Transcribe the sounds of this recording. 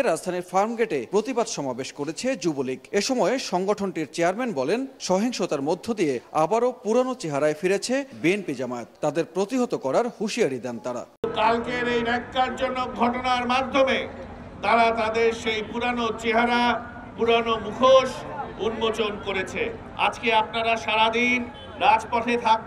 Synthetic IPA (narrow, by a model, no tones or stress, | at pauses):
ɾad͡ʑd̪ʱaniɾfaɾmɡeʈepɾot̪ibad̪ʃɔmabeʃkoɾet͡ɕʰed͡ʑubolikeʃɔmɔeʃɔŋɡoʈʰonʈiɾt͡ɕeaɾmenbɔlenʃɔɦiŋʃot̪aɾmod̪ʱːod̪ijeabaɾopuɾanot͡ɕeɦaɾaefiɾet͡ɕʰebienpid͡ʑamaet̪ːad̪eɾpɾot̪iɦot̪okɔɾaɾhuʃiaɾid̪ɛnt̪aɾa̰ | kalkeɾejɾɛkːaɾd͡ʑonoɡʱɔʈonaɾmad̪ʱːome | t̪aɾat̪ad̪eɾʃejpuɾanot͡ɕeɦaɾa | puɾanomukʰoʃunmot͡ɕonkoɾet͡ɕʰe | a̰d͡ʑkeapnaɾaʃaɾad̪in | ɾad͡ʑpɔʈʰet̪ʰak̚